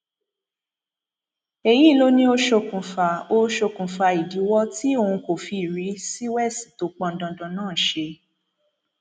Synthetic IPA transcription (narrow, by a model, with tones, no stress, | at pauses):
e˨ji˦˨lo˧˦nĩ˧o˧ʃo˧kũ˨fa˨o˧ʃo˧kũ˨fa˧i˨di˨˦wɔ˦ti˦o˦˧ũ˧ko˨fi˧˨ɾi˨˦si˦wɛ˦˨si̥˨to˨˦k͡pɔ̃˧n̩˨˦dɔ̃˧˨dɔ̃˧˦nãː˦˨ʃe˧